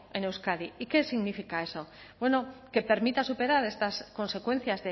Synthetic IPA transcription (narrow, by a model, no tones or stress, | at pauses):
e̞newskaðiike̞siɣnifikae̞so̞ | bwe̞no̞ke̞pe̞ɾmit̪asupe̞ɾaɾe̞st̪asko̞nse̞kwẽ̞n̟θjazðe